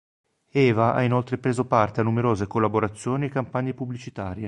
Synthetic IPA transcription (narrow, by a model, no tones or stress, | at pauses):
ɛːvaʔa̰inolt̪ɾepɾeːzopart̪eanːumeɾoːzekolːaboɾat̪sːjoːniekampaɲːepubːlit͡ʃit̪aːɾje